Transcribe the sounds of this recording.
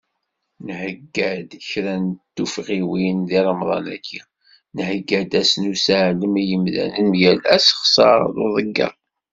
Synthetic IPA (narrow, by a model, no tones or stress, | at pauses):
nhəɡːæd̪çɾænt̪ːufʁiwinðiɾəmðˤɑ̰næ̰kːi | nhəɡːæd̪æsnusæʕləmijəmðæ̰nənmjælæsχsˤɑɾˤðoðˤəɡːɑ̰